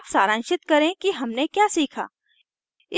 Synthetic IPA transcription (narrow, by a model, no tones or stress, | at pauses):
psaːɾãːnʃɪt̪kɐɾẽkiɦɐmnekjaːsiːkʰa̰ː | ɪ